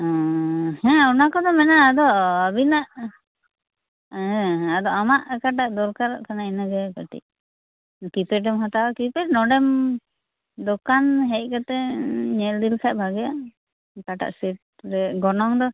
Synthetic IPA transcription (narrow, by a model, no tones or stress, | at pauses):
ɔ̃hɛ̃ɔnakɔd̪ɔmɛnaːd̪ɔəbinaʔ | ɛ̃ad̪ɔamaʔkaʈ̬aʔd̪ɔɾkaɾʔkanainaɡɛkaʈḭʔ | kipɛʈ̬ɛmɦat̪akipɛʈnɔɖɛm | d̪ɔkanɦɛc̚ˀkat̪ɛɲɛld̪ilkʰaʔ̚bʱaɡɛja | kaʈa̰ʔsɛʈ̚ | ɾɛɡɔnɔŋd̪ɔ